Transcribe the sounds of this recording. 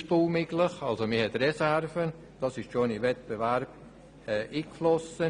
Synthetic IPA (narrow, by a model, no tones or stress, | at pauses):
ʃpuːmɪɡləχɑlsomɪhɛt̪rɛsæɾvən | d̥ɑsɪʃʃonivɛt̪̚b̥evæɾb̥̚ | ɛːʔiːkflɔsə